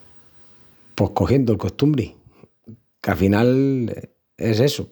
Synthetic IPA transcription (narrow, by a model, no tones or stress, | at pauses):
po̞hkoxje̞nd̪olko̞st̪umbɾi | kalfinal | ese̞su